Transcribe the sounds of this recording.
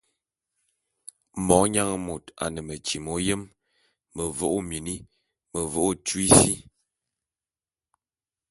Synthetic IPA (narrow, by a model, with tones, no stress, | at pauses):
mɔ˨˦ɲa˦ŋ˨mo˨ta̰˨nə˨mə˨t͡ʃi˨mo˨˦jə˦m | mə˨vo˦˨ʔo˦˨mi˨ni˦ | mə˨vo˦ʔo˦˨t͡ʃwi˦si˦